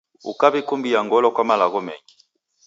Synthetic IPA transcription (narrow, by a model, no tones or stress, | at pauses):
ṵkabikumbijaŋɡɔlɔkwamalaɣɔmɛ̰ŋi